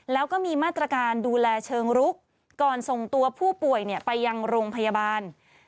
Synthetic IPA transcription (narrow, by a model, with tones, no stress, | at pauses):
lɛː˦˥wkɔː˥˩miː˧maː˥˩t̪ːɾa˧kaː˧nduː˧lɛː˧t͡ɕʰɤː˧ŋɾu˦˥k̚ː | ɔː˨˩nso˨˩ŋt̪u˧ɐpʰuː˥˩pu˨˩əjni˥˩ɐpa˧jːa˧ŋɾoː˧ŋpʰa˧ja˧baː˧n